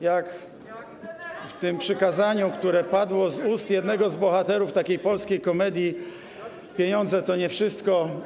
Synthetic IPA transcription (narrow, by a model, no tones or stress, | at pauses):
jak | ft̪ɘmpʂɘkazaɲukt̪uɾɛpad̪wɔzust̪jɛd̪nɛɡɔzbɔxat̪ɛɾuft̪akʲejpɔlskʲejkɔmɛd̪ʲji | pʲjeɲɔnd̪zɛt̪ɔɲɛfʂɘst̪kɔ